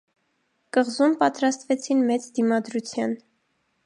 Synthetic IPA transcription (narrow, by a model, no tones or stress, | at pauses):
kəʁzumpɑt̪ɾɑst̪vɛt͡sʰinmɛt͡sd̪imɑd̪ɾut͡sʰjɑn